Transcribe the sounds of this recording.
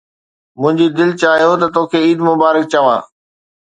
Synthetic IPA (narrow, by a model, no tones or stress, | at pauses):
mʊ̃ɦɪ̃ɲd͡ʑid̪ɪlt͡ɕaːɦijot̪ɐt̪oːkʰeiːd̪mʊbaːɾək̚t͡ɕɐʋa̰ː